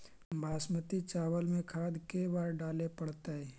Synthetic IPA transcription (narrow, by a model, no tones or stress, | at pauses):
bʱaːsmət̪it͡ʃaːwəlmẽkʰaːd̪kebaːɾɖaːlepəɽt̪aɦɛː